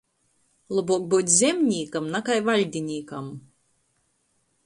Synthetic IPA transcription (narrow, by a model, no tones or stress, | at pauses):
lˠubuɔk̚buːt̪ʲzʲemʲnʲiːkamnakajvalʲd̪ʲinʲiːkam